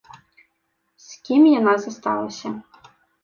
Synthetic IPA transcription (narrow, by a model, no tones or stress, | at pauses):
sʲkʲimjɐnɑzɐst̪ɑ̰lˠɐ̰sʲɐ